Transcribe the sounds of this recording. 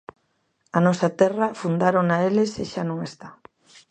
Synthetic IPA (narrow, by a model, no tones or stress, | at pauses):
anɔsat̪ɛrafund̪aɾonaeleseʃanõŋest̪a